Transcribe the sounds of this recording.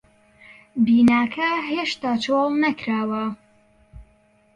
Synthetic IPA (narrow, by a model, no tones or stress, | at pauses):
biːnaːkʰɐɦeːʃt̪aːt͡ʃʰolˠnɐkɾaːwɐ